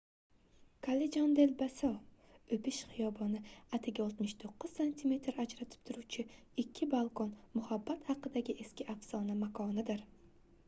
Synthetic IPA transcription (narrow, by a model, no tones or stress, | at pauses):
kʰaled͡ʒɒnd̪elbasɒ | ɵpɪʃχɨjɒbɒnɪat̪ʰɪɡʲaɒlˠt̪mɪʃt̪ʰoqːɨz̥sanʲt̪ʰime̞t̪ʰɾad͡ʒɾat̪ʰɪ̥p̚t̪ʰʊɾuwt͡ʃʰɪ | ɪkʲʰːɪbalˠkɒnmʊhabːat̪hɑqɨd̪aɡʲɪʔe̞skʲɪʔafsɒnamakʰɒnɪd̪ɪɾ